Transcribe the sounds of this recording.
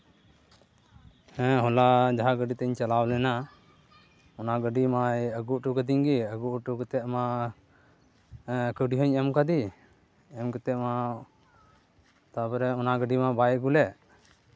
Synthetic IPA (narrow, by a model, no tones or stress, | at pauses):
hɛ̃ɦɔlad͡ʒaɦaɡəɖit̪ɛɲt͡ʃalawlɛna | ɔnaɡəɖimajəɡuʔʈukəd̪iɲɡiəɡuʔʈukət̪ɛʔma | kəɖiɦɔɲɛmkad̪i | ɛmkət̪ɛʔma | t̪apɾɛɔnaɡəɖimabajɛʔɡulɛʔ